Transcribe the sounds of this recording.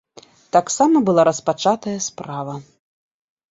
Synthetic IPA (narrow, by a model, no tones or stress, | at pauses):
t̪aksamɐbɨlˠaɾɐspat͡ʂat̪ɐjɐspɾavɐ